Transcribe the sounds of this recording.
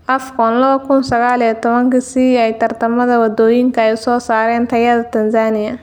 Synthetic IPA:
ʔɐfkʰɔnlɐβɐkʰʊnsɐɣaːlijɐt̪ʰɔβɐŋkɐsiɛjt̪ʰɐrt̪ʰɐmɐðɐwɐd̪ɔːjɪŋkʰɐɛjsɔːsaːɾɛːnt̪ʰɐjɐðɐt̪ʰɐnsaːnɪjɐ

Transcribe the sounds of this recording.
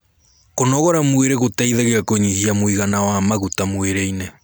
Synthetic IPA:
konɔɣɔɾamweɾɛɣotaiðaɣeɣakoɲihiamoiɣanawamaɣutamweɾeine

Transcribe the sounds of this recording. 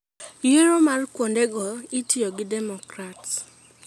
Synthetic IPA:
jiɾomarkwondɛɡɔitioɡɪdɛmɔkɾats

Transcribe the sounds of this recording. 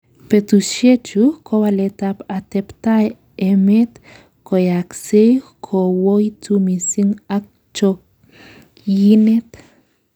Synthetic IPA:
pet̪uʃet͡ʃukʰowalet̪apat̪ept̪aj | emet̪ | kojaksekʰowojt͡sumisiŋak̚ | t͡ʃok | jinet̪

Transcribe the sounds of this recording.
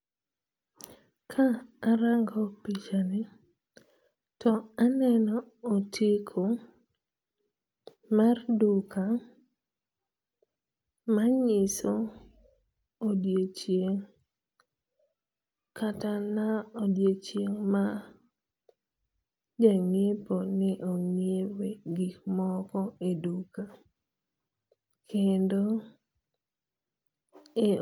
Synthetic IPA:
kʰaːɾaŋɡɔpit͡ʃanɪ | tʰɔanɛnɔːtʰikʰo | mardukʰa | maɲɪso | odjet͡ʃjeŋ | kʰatanaodjet͡ʃjeŋma | d͡ʒaŋeponɛʔoŋjeweɡikmɔkɔeduka | kendo | e

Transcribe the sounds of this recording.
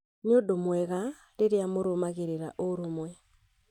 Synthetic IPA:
neodomwɛɣa | ɾeɾeamoɾomaɣeɾeɾa̰ʔoɾomwɛ

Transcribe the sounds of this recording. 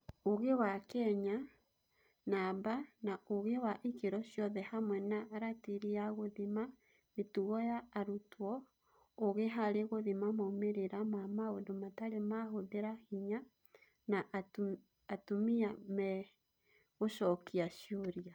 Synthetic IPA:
oɣewakɛɲa | nabanaoɣewaʔikeɾɔɕjɔðɛhamwɛnaʔːɾatiɾijaɣoðima | metuɣɔjaːɾutwɔ | oɣeɦaɾeɣoðimamaumeɾeɾamamaodomataɾemaɦoðeɾahiɲa | na | atumiamɛ | ɣoʃɔkiaʃioɾia

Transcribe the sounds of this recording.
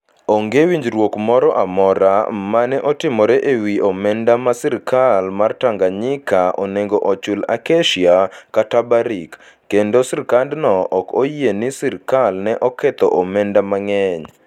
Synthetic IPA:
oŋɡewiɲd͡ʒɾwokmɔɾɔʔamɔɾamanɛʔɔtɪmɔɾɛʔewiomɛndamasɪɾkalmartaŋɡaɲɪkʰaʔoneŋɡoʔot͡ʃʊla̰keʃiakatabaɾikː | endosɪɾkandnɔʔɔkojenisiɾkalnɛʔɔkɛt̪ɔ̰ʔomɛndamaŋɛɲ

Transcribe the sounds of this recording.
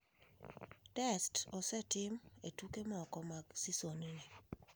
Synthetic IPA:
tɛstɔsɛtɪmetukemɔkɔmaɡsisoninɛ

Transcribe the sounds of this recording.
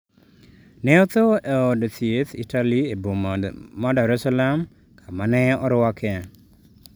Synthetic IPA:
nɛɔt̪oeɔdt̪iet̪ḭtaliebomɔdaɾɛsalam | kʰamanɛɔɾwakʰɛ

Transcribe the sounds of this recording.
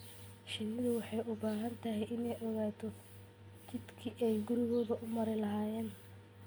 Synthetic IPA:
ʃɪnɪðʊwɑħɑjʔʊbaːɦɐnt̪ʰɐɦɛjʔɪnɛjʔɔɣaːt̪ʰɔ | t͡ʃɪd̪kʰiʔɛjɡʊɾɪɣɔːðɐʔʊmɐɾɪlɐɦaːjɛːn

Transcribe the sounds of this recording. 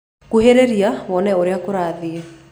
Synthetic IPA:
kuɦeɾeɾiaβɔnɛoɾjakoɾaːðie

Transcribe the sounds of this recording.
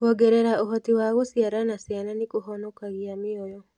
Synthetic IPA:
ɣɔɡɛɾɛɾaoɦɔtiwaɣosiaɾanasjananɪkoɦɔnokaɣiamɪɔjɔ

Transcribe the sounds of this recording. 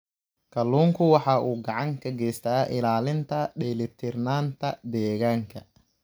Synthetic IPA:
kʰɐluːŋkʰʊwɑħɑːʔuːɡɑʕɑŋkʰɐɡɛjst̪ʰaːʔɪlaːlɪnt̪ʰɐɖɛːlɪt̪ʰɪrnaːnt̪ʰɐd̪ɛːɣaːŋkʰɐ̰

